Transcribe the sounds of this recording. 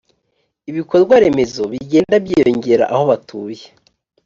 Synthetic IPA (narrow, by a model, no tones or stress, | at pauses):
iβiko̞ɾɡwaɾe̞me̞zo̞βiɟe̞ːndabjijo̞ɲɟe̞ɾa̰ʔaho̞βatʰuːje